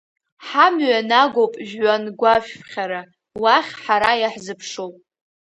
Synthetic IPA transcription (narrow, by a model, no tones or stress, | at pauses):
ħamɥanaɡowpʼʒᶣɥanɡʷaʃᶣχʲaɾa | waχʲħaɾajaħzɨpʰʂowpʼ